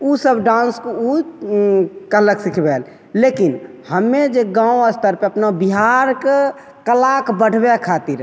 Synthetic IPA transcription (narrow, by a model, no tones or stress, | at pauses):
usəbɖãnsku | kələksikʰbel | lekin | həmːed͡ʒeɡãũəst̪əɾpeəpnabiɦaɾke | kəlakbəɽ̤ʱbekʰat̪iɾ